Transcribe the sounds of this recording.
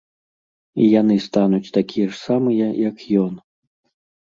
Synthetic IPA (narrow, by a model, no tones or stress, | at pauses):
ijan̪ɨst̪anut͡sʲt̪akʲijɛʂsamɨjɐjɐkjɔn